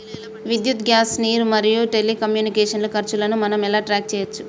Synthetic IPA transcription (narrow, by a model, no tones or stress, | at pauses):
ʋid̪jut̪ɡjaːsniːɾmɐɾijuʈelːikɐmjuːnikeːʂɐnlukɐɾt͡ʃulɐnumɐnɐmɛlaːʈɾaːk̚t͡ʃɛːjɐt͡ʃːu